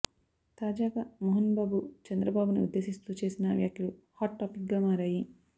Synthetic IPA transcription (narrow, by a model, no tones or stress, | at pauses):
t̪aːd͡ʒaːɡɐmoɦɐnbaːbut͡ʃɐnd̪ɾɐbaːbunḭud̪ːe̞ːʃist̪uːt͡ʃe̞ːsinɐʋja̰ːkʰjulu | haːʈːaːpik̚ɡaːmaːɾaːji